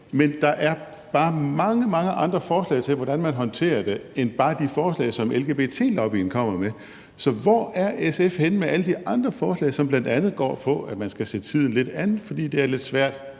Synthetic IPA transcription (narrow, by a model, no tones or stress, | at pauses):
mend̥ɑ̈ʔæɐ | b̥ɑ̈ːmɑ̈ŋəmɑ̈ŋəʔɑ̈nd̥ʁɐfɒːslɛ̰ːɪt͡sʰe̝lʋɒɾ̥ænmænɦɒ̽nt͡sʰe̝̰ːɐd̥e̝enb̥ɑ̈ːd̥ifɒːslɛ̰ɪsɒ̽mʔelɡ̥e̝ːb̥et͡sʰe̝̰ːlɒʊb̥ḭn̩kʰɒ̽m̰ɐme | sɒ̽ʋɒæɐesefhenmeʔæləd̥iʔɑ̈nd̥ʁɐfɒːslɛ̰ɪsɒ̽mb̥lænd̥ænð̩ˠɡ̥ɒ̰ːpʰɒ̽æmænsɡ̥æse̝̰ːt͡sʰið̰ˠn̩le̝d̥ænð̩ˠfɒ̽d̥ḭːd̥e̝æɐle̝d̥sʋæɐ̰d̥